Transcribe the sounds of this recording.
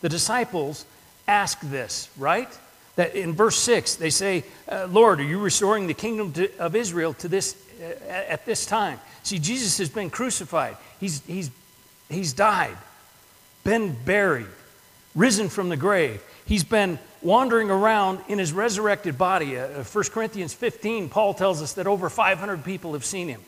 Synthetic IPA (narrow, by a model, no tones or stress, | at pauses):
ðɨdɨsaɪpl̩ˠz̥ | æsk̚ðɪsɹaɪt̪̚ | ðɨɾɪ̃nvɜ˞sɪksðeɪseɪlɔɹɾə˞jɨɹɨstɔɹɪ̃ŋðɨkʰɪ̃ŋdɨ̃mtɨʌvɪzɹil̩ˠtʰɨðɪs | ɨt̪̚ðɪstʰãɪ̃msid͡ʒizɨshɨzbɨ̃nkʰɹ̥ʉsɨfaɪd̚hizhiz | hizdaɪd̚ | b̥ɨ̃nbɛɹḭd̚ | ɹɪzɨ̃nfɹʌ̃mðɨɡɹeɪv̥izbɪ̃nwɑ̃ndə˞ɪ̃ŋə˞ãʊ̃ndɨ̃ñɨzɹɛzə˞ɛk̚tɨd̚bɑɾifɜ˞skʰə˞ɪ̃nθiɨ̃nz̥fɪftʰĩnpʰɔlˠtʰɛlˠzʌsðɨɾoʊvə˞faɪv̥hʌ̃ndɹəd̚pipl̩ˠɨv̥sĩnɨ̃m